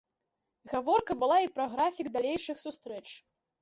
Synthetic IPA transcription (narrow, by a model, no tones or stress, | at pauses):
ɣavɔrkɐbɨlˠaipɾɐɣɾafʲiɡd̪alʲejʂɨxsust̪ɾɛt͡ʂ